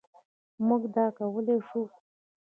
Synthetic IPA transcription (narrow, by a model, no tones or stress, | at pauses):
muɡd̪ɑkawəleʂu